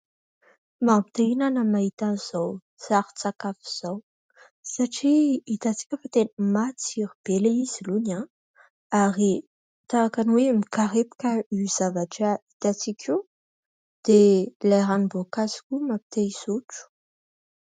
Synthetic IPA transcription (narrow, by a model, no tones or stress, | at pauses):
mapit̪einanəmaɦit̪aniz̥aw | saɾi̥t͡sakafiz̥aw | saʈ͡ʂiit̪at͡si̥kʲəfat̪enəmat͡siɾib̥elaiz̥iluna | aɾi | t̪aakanwemikaɾepi̥kəiz̥avaʈ͡ʂait̪at͡sikʲʰiu | d̪̥elaɾanibokazi̥kʲumapi̥t̪eisuʈ͡ʂu̥